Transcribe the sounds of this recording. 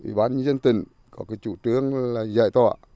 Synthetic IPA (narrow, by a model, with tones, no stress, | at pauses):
ʔwḭ˧˩ɓaː˧˥n˧zə˧nt̪ï˨˩ŋ̟ | kɔ˨˦kaː˨˦jt͡ɕu˧˩t͡ɕɨ˨˦əŋlaː˨˩za̰ː˧˨jt̪wa̰˧˨